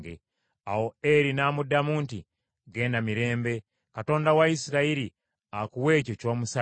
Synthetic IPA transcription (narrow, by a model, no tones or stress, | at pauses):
ɡḛ | awo̞eɾinaːmudːamuːnti | ɡe̞ːndamiɾe̞ːmbe̞ | kato̞ːndawaisiɾaiɾi | akuwe̞ːcoco̞ːmusa